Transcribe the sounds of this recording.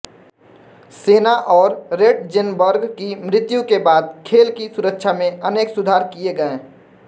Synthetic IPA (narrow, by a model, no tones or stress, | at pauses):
seːnaʔɔːɾɾeːʈd͡ʒɪnbəɾɡkimɾɪt̪jũkebaːd̪̚kʰeːlkisʊɾəkʃʰamẽəneːksʊd̪ʱaːɾkieɡəẽː